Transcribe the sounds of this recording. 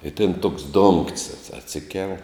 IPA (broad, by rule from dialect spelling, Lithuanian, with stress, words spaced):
ɪ tʲɪn toːks doːŋktʲsʲ ɐtʲsʲɪ ɐtʲˈsʲɪkʲɛlˠ